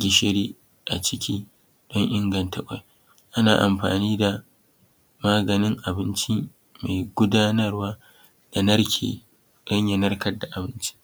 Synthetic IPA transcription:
ɡʲɪ˨ʃɪ˦ɽiː˦ | ʔa̰˨t͡ʃɪ˦kʲiː˦ | ɗɔ˦ŋʔɪ˦ŋɡɐ˨ntɐ˦kʷʼa̰˨j | ʔa˦na̰ː˨ʔa̰˨mɸa̰ː˨niː˦da˨ | maː˦ɡɐ˨nɪ˦ŋʔa˨bɪ˦nt͡ʃiː˦ | ma˨jɡʷʊ˦daː˦nɐ˦rwaː˦ | d̥a˨nɐ˦rkʲʰḛː˨ | dɐ˦ɲjɐ˨nɐ˦rkɐ˦rda˨ʔa˨bɪ˦nt͡ʃi̥˦

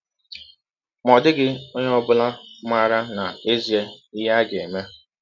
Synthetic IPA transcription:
mɔ˨dɪ˦ɡɪ˦o˦ɲe˦ɔ˦bʊ˦la˦ma˦ɾa˦na˨e˦zi˨e˦ɪ˦ɦa˦ɡe˨me˦

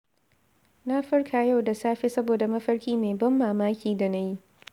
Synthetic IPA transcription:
na˦ɸɪ˦ɽkʰaː˨ja˦˨wda˨saː˦ɸe˦sɐ˦boː˨da˨mɐ˦ɸɐ˦ɽkʲiː˦meː˨bɐ˦mːaː˨maː˦kʲiː˨da˨na˦ji˦

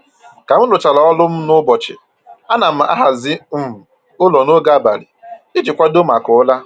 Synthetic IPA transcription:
ka˨m̩˦lʊ˨t͡ʃa˨lɔ˨ɔ˦lʊ˦m̩˦nʊ˦bɔ˨t͡ʃɪ̰˨ | a˦na˨m̩˦a̰˦ɦa˨zɪ˦m̩˦˨ | ʊ˦lɔ˨no˦ɡa˦ba̰˨ɾɪ̰˨ɪ˦d͡ʒɪ˨kʷa˦do˦ma˨kʊ˨ʊ˦la˦

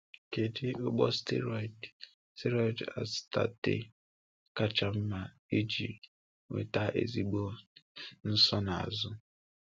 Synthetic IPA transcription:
ke˨di˦o˦ɡ͡bɔ˦stḛ˦ɾɔ˨i˨d | ste˦ɾɔ˦i˨da̰˨sta̰˦tḛ˦ | ka˦t͡ʃa˦m̩˦ma˨ | e˦d͡ʒi˨ | ŋḛ˨ta˦ʔḛ˨zi˦ɡ͡bo˦ | n̩˦sɔ˦na˨a̰˨zʊ˦

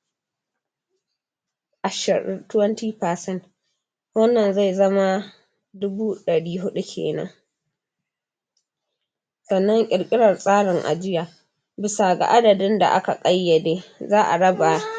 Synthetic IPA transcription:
ʔa˨ʃɐ˨tʊ˦wɐ˦ntiː˦paː˨sɛ˦n | wɐ˦nːɐ˨nza˦˨jzɐ˦ma˦ | dʊ˦buː˦ɗɐ˨ɽiː˦ɦʊ˦ɗu˦kʲʰḛː˨nɐ̰˦ŋ | sɐ˨nːɔ˦ŋkʲʼɪ˨ɽkʲʼɪ˦ɽɐ˨rsʼaː˦ɽɪ˨ŋʔa̰˨d͡ʒɪ˦jaː˨ | bɪ˨sa˨ɡa̰˨ʔa˦dɐ˨dɪ˦nda̰˨ʔa̰˦ka˨kʼɐ˦jːɐ˨deː˦zaː˦ʔa̰˨ɽɐ˦ba˨

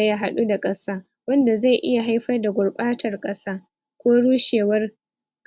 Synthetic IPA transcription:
ja˦ɦa˦ɗu˦da˨kʼɐ˦saː˦ | wɐ˦nda˨za˦˨jʔɪ˦ja˨ɦa˦jɸɐ˦rda˨ɡʷʊ˨rɓʼaː˦tɐ˨rkʼɐ˦saː˦ | kʷoː˦ɽuː˦ʃeː˨wɐ˦r | ɡ

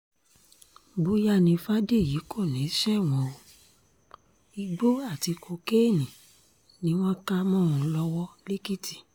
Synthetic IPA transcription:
ɡ͡bu˧˦ja˧˨nĩ˨˧fa˦de˦˨ji˨˦kʰo˦˨nĩ˨˦ʃɛ˦˨w̃ɔ̃˧o˧ | i˧ɡ͡bo˦a˦˨ti˨˧kʰo˧ke˦˨nĩ˨ | nĩ˦w̃ɔ̃˦ka˦mɔ̃˦˨ũ˧lɔ˧wɔ˦le˦ki˦ti̥˨

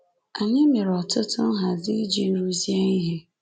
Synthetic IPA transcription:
a˨ɲɪ˦mɪ˨ɾɔ˨tʰʊ˦tʰʊ˦ɦa˨zi˦d͡ʒi˦nu˦zi˦e˦ŋi˦ɦe˨

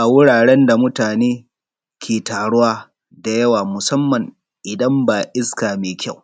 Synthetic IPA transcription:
ʔa˨wʊ˦ɽaː˨ɽɛ˦nda˨mʊ˦taː˨neː˦ | kʰʲeː˨taː˨ɽʊ˦waː˦ | da˨jɐ˦waː˨mʊ˨sɐ˦mːɐ˨ŋ | ʔɪ˨dɐ˦mbaː˨ʔɪ˦skaː˨meː˨kʲʰa˦˨w

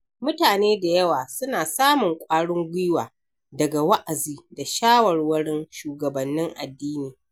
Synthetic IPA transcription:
mʊ˦taː˨neː˦da˨jɐ˦waː˨sʊ˦naː˨saː˦mʊ˨ŋkʷʼaː˦ɽʊ˦ŋɡʷɪ˦waː˨ | dɐ˨ɡa˨wɐ˦ʔa˨ziː˦da˨ʃaː˦wɐ˨rwɐ˦ɽɪ˦nʃuː˨ɡɐ˨bɐ˨nːɪ˦ŋʔa̰˨dːiː˦niː˨

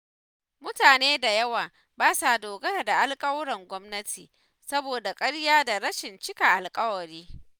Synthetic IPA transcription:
mʊ˦taː˨neː˦da˨jɐ˦waː˨ | baː˦sa˨doː˨ɡɐ˦ɾda˨ʔa˦lkʼɐ˦wɽɐ˨ŋɡʷɔ˦mnɐ˦tʰiː˨ | sɐ˦boː˨da˨kʼɐ˦ɽjaː˦da˨ɾɐ˦ʃɪ˨nt͡ʃɪ˦ka˨ʔa˨lkʼɐ˦wɐ˨ɽiː˦

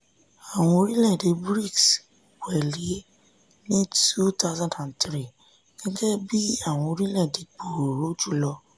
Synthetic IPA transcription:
a˦˨w̃ɔ̃˧ɾi˦lɛ˦˨de˨˧bɾi˦˨ks | wɛ˨li˨˦ | nĩ˦tu˦ta˦zã˨dã˨ntɾi˦˨ | ɡ̥ɛ˦ɡɛ˦bi˦a˦˨w̃ɔ̃˧ɾi˦lɛ˦˨de˧k͡po˨ɾo˨˦d͡ʒu˦˨lɔ˧

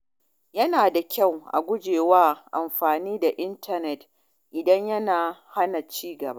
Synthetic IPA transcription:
jɐ˦naː˨da˨kʲa˦˨wʔa̰˨ɡʷʊ˦d͡ʒeː˨waː˦ʔa˨mɸaː˨niː˦da˨ʔɪ˦ntɐ˦nɛ˨t | ʔɪ˨dɐ˦ɲjɐ˦naː˨ha˦na˨t͡ʃiː˦ɡɐ̰˨ba̰˦ʔ

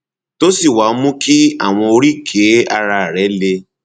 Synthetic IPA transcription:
to˦si˦˨wa˨˦mũ˦ki˦a̰˦˨w̃ɔ̃˧o˧ɾi˦˨kʰe˨˦a˧ɾa˧˨ɾɛ˨˦le˧

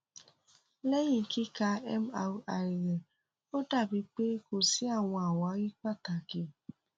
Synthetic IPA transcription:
lɛ˦jĩ˨ki˦ka˧ɛ˦m˦a˨wa˨i˨ɾe˨ | o˦da˦˨bi˧k͡pe˦ko˨si˦a˦˨w̃ɔ̃˧a˨wa˨˦ɣi˦k͡pa˦˨ta˨ki˧

